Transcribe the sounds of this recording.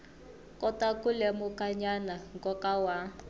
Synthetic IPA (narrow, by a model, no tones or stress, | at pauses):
kʼɔtakulɛmʊkʼaɲanaŋkɔkawa